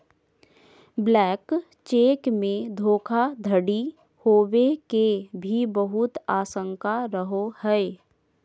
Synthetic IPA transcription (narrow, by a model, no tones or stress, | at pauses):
blɛːk | t͡ʃeːkmẽd̪ʱoːkʰad̪ʱəɽi | hoːwekebʱibəɦʊt̪aːsə̃ŋkaɾəɦohɛe